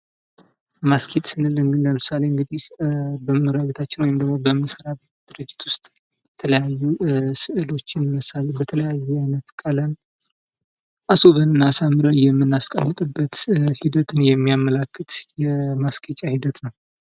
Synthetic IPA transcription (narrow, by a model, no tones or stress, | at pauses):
maskʰet̪ʼsɨnɨlɨŋɡɨnləmɨsaleɨŋɡɨd̪ihbəmɨɾaβet̪ʰat͡ʃːɪnwjmd̪əɡmo̞bəmːisəɾabd̪̥ɨɾɨd͡ʒːɪt̪wʊst̪ʼjjɛt̪ʰələjajːusɨʔɨlo̞t͡ʃːɪnmɨsalebət̪ʰələjajːuajnət̪kʼələn | ʔasoβənɨnːasamːɨɾənjɛmːɨnːaskʼəmːɨt̪ʼɨbːət̪hid̪ət̪ʰɨnjɛmːijamːəlakːɨt̪jɛmaskʰʼət͡ʃʼahid̪ət̪nəw